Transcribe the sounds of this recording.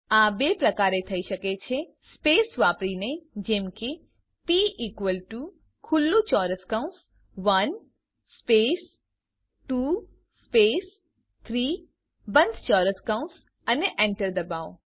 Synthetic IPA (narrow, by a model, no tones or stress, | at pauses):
abepɾəkaɾet̪ʰəiʃəket͡ʃʰespesʋapɾined͡ʒemke | piʔikʋəlʈu | kʰulːũt͡ʃɔɾəskaũns | ʋən | sːpes | ʈu | spes | t̪ʰɾi | bə̃nd̪ʱt͡ʃɔɾəskaũns | əneʔeɳʈəɾd̪əbaʋo